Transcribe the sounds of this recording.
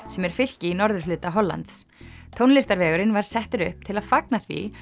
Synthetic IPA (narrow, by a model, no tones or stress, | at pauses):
sɛmɛɾ̥fɪl̥cɪinɔɾðʏɾflʏːt̪aɦɔlːa̰nt̪st̪ʰownlɪst̪aɾvɛːɣʏɾɪnvaɾ̥sɛht̪ʏɾʏhp̚t̪ʰɪlaðfaknaθvḭ